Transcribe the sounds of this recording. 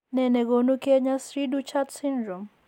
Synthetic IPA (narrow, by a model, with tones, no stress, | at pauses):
nɛ˨nɛ˨ko˨nu˦kɛ˦ɲa˦sɾi˦du˦t͡ʃa˦dsi˦ndɾɔ˨m